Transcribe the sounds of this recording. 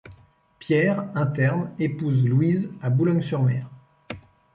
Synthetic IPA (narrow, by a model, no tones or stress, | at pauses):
pjɛʁɛ̃t̪ɛʁnepuzlwizabulɔɲsyʁmɛːʁ